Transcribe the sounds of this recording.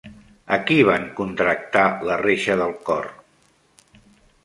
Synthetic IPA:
əkiβ̞aŋkunt̪ɾək̚t̪aləreʃəðəlˠkɔ̰r

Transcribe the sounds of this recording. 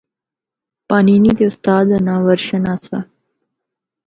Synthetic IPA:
pɑːninid̪eʊst̪ɑːd̪anɑːwəɾʃənaːsa̰

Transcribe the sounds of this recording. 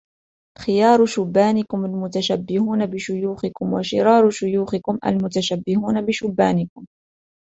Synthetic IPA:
xɪjɑːɾˤʃʊbːaːnɪkʊmalmʊt̪aʃabːɪhuːnabɪʃʊjuːxɪkʊmwa̰ʃɪɾɑːɾˤʊʃʊjuːxɪkʊmʔa̰lmʊt̪aʃabːɪhuːnabɪʃʊbːaːnɪkʊm

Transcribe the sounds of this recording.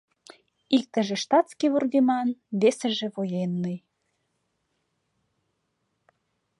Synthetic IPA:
ik̚t̪ə̆ʒĕʃt̪ɑt̪skiβurɣemɑnβesə̆ʒĕβojenːij

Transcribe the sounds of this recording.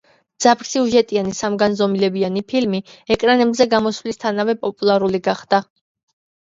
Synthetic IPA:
d̪z̥apʰɾsiuʒɛt̪ʼianisamɡanzɔmilɛbianipʰilmiɛkʼɾanɛbzɛɡamɔsvlist̪ʰanavɛpʼɔpʼulˠaɾuliɡaχd̪̥a

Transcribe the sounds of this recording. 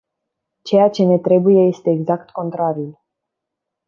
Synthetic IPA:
t͡ʃe̞jat͡ʃe̞ne̞t̪ɾe̞buje̞je̞st̪e̞ːɡzakt̪ko̞nt̪ɾaɾiul

